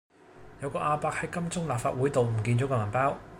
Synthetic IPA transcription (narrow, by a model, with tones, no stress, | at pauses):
jɐ˨˧wkɔː˧ʔaː˧paː˧k̚hɐ˨˥jkɐ˥mt͡sʊ˥ŋlaː˨p̚faː˧t̚wu˨˥jt̪o˨wm̩˨˩kiː˧nt͡sɔː˨˥kɛː˧mɐ˨˩npaː˥w